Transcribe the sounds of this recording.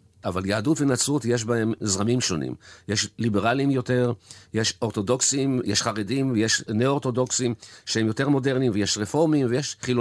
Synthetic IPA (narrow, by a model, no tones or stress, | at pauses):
ʔavaljaːdutvenat͡sutje̞ʃ̬bae̞mzʁamimʃo̞nḭmjeʃlibeʁalimjo̞te̞ʁjeʃo̞ʁt̪o̞do̞ksimjeʃχaʁedimvejeʃneoʁt̪odo̞ksimʃeemjo̞te̞ʁmo̞de̞ʁnimveje̞ʃʁefo̞ʁmimvejeʃχilo